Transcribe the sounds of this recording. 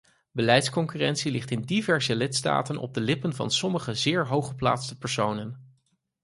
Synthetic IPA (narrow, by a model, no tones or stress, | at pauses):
bəlɛjtskɔŋkyrɛntsilɪχtɪndivɛɹzəlɪtsta̰ːtənʔɔ̰b̚dəlɪpənvɑ̰nsɔməχəzɪːɹɦowχəpla̰ːtstəpɛɹsownən